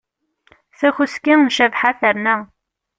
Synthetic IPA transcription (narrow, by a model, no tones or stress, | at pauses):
θæçuskinʃævħaθəɾnæ